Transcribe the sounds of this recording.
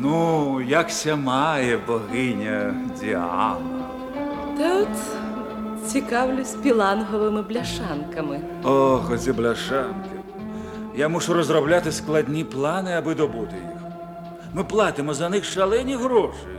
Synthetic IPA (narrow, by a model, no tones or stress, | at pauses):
nujaksʲamajɛbɔɣɪnʲɐd͡zʲḭa̰nɐ | t̪aɔt̪ | t͡sʲikawlʲʊsʲpʲilˠanɦɔʋɪmɪblʲaʂankɐmɪ | ɔxɔzʲɛblʲaʂankɪ | jamuʂuɾɔzrɔblʲat̪ɪsklˠadʲnʲiplˠanɪabɨd̪ɔbut̪ɪjḭx | mɨplˠat̪ɪmɔzɐnɪxʂalˠɛnʲiɣɾɔʂɐj